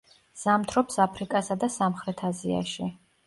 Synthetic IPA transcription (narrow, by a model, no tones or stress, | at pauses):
z̥amt̪ʰɾɔpsapʰɾikʼasad̪asamχɾɛt̪ʰazia̰ʃi